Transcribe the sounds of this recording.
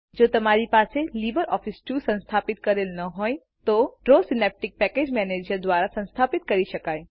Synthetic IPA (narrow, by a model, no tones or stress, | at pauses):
d͡ʒoːt̪ɐmaːɾipaːselibəɾɔːfʰɪsʈusə̃nst̪ʰaːpɪt̪kɐɾeːlnɐɦoːj | t̪oɖɾosɪnɛp̚ʈɪk̚pɛkeːd͡ʒmɛneːd͡ʒəɾd̪waːɾasə̃nst̪ʰaːpɪt̪kɐɾiʃɐkaːe